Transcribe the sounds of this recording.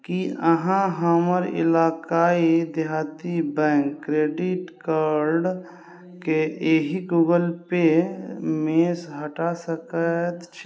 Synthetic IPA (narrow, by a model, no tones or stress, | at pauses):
kiəɦãɦəməɾɪ̰laːkaːid̪ɪɦaːt̪ibɛ̃ːŋkːɾeːɖɪʈkaːɾɖ | keeɦiɡuːɡəlpe | mesɦəʈasəkət̪t͡ʃʰ